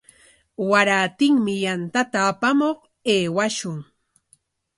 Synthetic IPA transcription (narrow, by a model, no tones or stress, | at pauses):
waɾaːt̪ɪŋmɪjant̪at̪aːpamoχ | eːwaʃʊŋ